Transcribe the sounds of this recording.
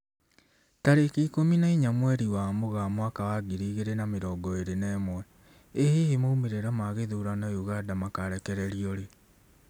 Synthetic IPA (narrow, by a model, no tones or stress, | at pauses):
taɾekiːkominaiɲamwɛɾiwamoɣamwakawaɡiɾiːɣeɾenameɾɔːɡɔeɾenɛːmwɛ | ehehemoumeɾeɾamaɣeðuɾanajuɣadamakaɾɛkɛɾɛɾiɔɾe